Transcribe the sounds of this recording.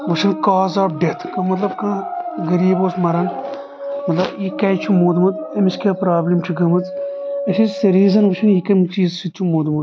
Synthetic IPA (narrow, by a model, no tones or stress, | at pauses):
ʋɐʃʰɐnkaːzaːɖet̪ʰkɐmɐt̪lɐb̚kɐ̃ːɡɐɾiːboːsmɐɾɐn | mɐt̪lɐbikɐːjt͡ʃʰumoːd̪mɐd̪ɐmiskʲeːpɾaːblʲimt͡ʃʰiɡɐmɐt͡sɐʃʰisɐɾiːzɐnʋɐt͡ʃʰɐnjikɐmt͡ʃiːzsit͡ʃʰumoːd̪mud̪